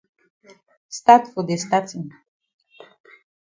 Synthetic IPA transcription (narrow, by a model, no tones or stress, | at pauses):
st̪at̪fod̪est̪at͡sin